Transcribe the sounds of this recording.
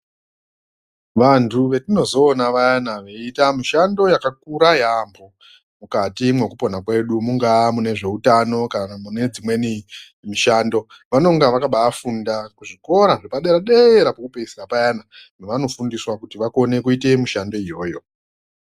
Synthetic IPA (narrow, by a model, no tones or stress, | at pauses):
ʋantʰuʋe̞tino̞zo̞ːnaʋajanaʋe̞itamiʃando̞jakak̚uɾajambʱo̞ | mukatimwe̞kupo̞nakwe̞ɗumuŋɡamune̞ʐe̞utano̞kanamune̞d͡zimwe̞ni | miʃaːndo̞ | ʋano̞ŋɡaʋakaɓaːfundakuʐiko̞ɾaʐepaɗe̞ɾaɗeɾapokupeisikapajananeʋano̞fundiswakutiʋako̞ne̞kuite̞muʃando̞ijo̞ːjo̞